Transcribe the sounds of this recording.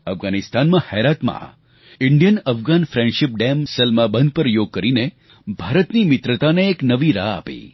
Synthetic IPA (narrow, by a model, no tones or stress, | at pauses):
əfɡanist̪anmãhɛɾat̪mã̰ | ɪɳɖjənəfɡanfɾɛ̃ɳɖʃɪp̚ɖemsəlmabənd̪̚pəɾjoɡ̚kəɾine | bʱaɾət̪nimɪt̪ɾət̪aneːknəʋiɾaa̰pḭ